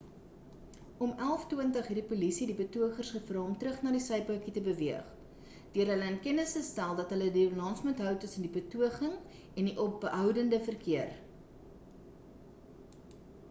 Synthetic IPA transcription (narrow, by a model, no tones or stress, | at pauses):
ɔmælˠftuəntəχɦirdipulisidibətuəχərsχəfrɑːɔmtrəχnɑːdisəjpəkitəbəviəχ | d̥øəɾɦələənkɛnəsəstælˠdɐtɦələdilɑːnsmutɦœwtəsəndibətuəχəŋ | ɛndiʔɔbɦœwdəndəfərkiər